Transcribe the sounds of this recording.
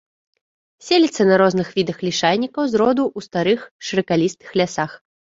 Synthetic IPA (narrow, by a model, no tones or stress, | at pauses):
sʲelʲit̪sːɐnɐɾɔznɨxvʲid̪ɐxlʲiʂalʲnʲikɐwzɾɔd̪uʔust̪aɾɨxʂɨɾɨkalʲist̪ɨ̥xlʲasax